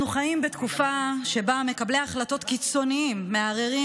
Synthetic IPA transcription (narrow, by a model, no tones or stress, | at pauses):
nuχajimbet̪kufaʃe̞bame̞kableaχlato̞t̪kit͡so̞niimːe̞aʁeʁi